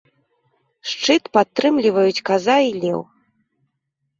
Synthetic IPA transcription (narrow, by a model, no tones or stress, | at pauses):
ʂt͡ʂɨt̪pat̪ːɾɨmlʲivɐjut͡sʲkazailʲɛ̰w